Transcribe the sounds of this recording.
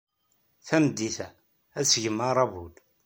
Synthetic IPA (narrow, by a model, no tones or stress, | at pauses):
θænəd̪ːiθæ | æt͡sːʝəmːəɾˤɑbud̪